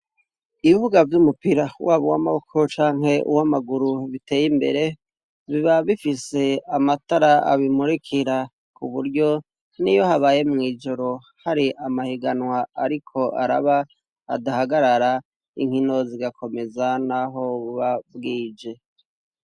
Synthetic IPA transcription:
iβiβuɡavjumupiɾawaːβowa̰maβokʰot͡ʃaːŋɦe̞ʔṵwamaɡuɾuβite̞ːjimbe̞̰ɾe̞ | βiβaβifise̞amataɾaa̰βimuɾikʰiɾa | kuβuɾjo̞ | nijo̞haβaːje̞mŋiːd͡ʒo̞ɾo̞ | haɾiʔamahiɡanwaaɾikʰo̞ʔa̰ɾa̰βa̰ː | dahaɡaɾaɾa | ḭŋhino̞ziɡakʰo̞me̞zanaɦo̞βuβaβɡiːd͡ʒe̞

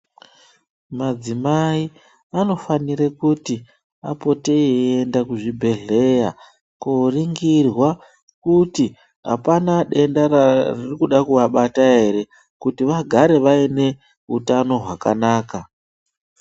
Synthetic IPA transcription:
mad͡zimai | ano̞faniɾekuti | a̰po̞te̞iendakuʐibʱe̞ɮe̞ja | koriŋɡirwa | kuti | ɦa̰panaɗe̞ndararirikuɗakuʋaɓataɦe̞ɾe̞ | kutiʋaɡʱaɾe̞ʋaine̞ | utano̞ɦwaka̰naːka

